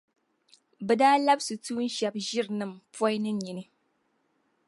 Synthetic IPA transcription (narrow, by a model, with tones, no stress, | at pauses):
bɛ˨daː˦la˦bsɨ˨tuː˦n̩˦ʃɛ˨bʒɪ˦ɾɨ˨nɨ˦mpɔ˦jnɨ˦ɲi˨nɨ˦